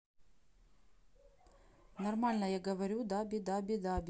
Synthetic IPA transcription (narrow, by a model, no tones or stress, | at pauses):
nɐrmalʲnɐjaɡɐʋɐɾʲud̪abʲid̪abʲid̪abʲ